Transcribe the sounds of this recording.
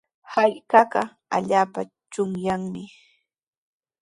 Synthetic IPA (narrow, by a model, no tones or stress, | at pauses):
hajkɑɢɑ | a̰ʎaːpa | t͡ʃʊŋjaŋmɪ